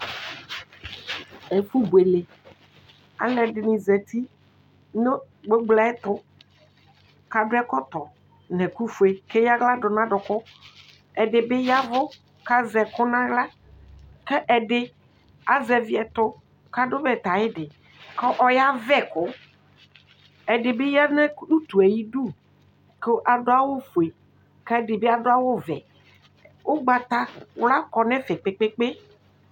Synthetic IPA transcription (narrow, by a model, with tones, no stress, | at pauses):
e˨fu˦bu˨e˨le˨ | a̰˨lɛ˨ɖɪ˨nĩ˨zɛ˨t̪i˦ | no˦ | ɡ͡be˦ɡ͡bla˨˦ɛ˦t̪ʊ˦ | ka˦ɖʊ˦ɛ˦kɔ˦t̪ɔ˨ | nɛ̃˨ku˦fu˨e˨ke˦ja˦ɡla˦ɖʊ˨nã˦ɖʊ˨kʊ˦ | ɛ˨ɖɪ˨be˦ja˦vʊ˦ | ka˦zɛ˨kʊ˦nã˦ɡla˦ | kɛ˦ʔɛ˨ɖɪ˦ | a˨zɛ˨vi˦ɛ˨t̪ʊ˦ | ka˦dʊ˦bɛ˦˨t̪a˨jɪ˦dɪ˨ | ke˦ʔɔ˦ja˦vɛ˦kʊ˦ | ɛ˨dɪ˨be˦ja˦nɛ˦u˦t̪u˨ɛ˨ji˦du˦ | ke˦ʔa˨dʊ˦a˦wʊ˦fu˨e˨ | kɛ˦˨dɪ˨be˦a˨dʊ˦a˦wʊ˦vɛ˨ | wo˦ɡ͡ba˨t̪a˦wla˦kɔ˨nɛ̃˦fɛ˨k͡pe˨˦k͡pe˦k͡pe˦